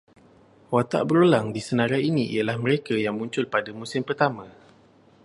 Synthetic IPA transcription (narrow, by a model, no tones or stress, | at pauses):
wat̪a̰ʔbəɾulaŋdisənãɾainiʔḭalahməɾekajaŋmũɲt͡ʃʊlpadamũsɪmpərt̪amã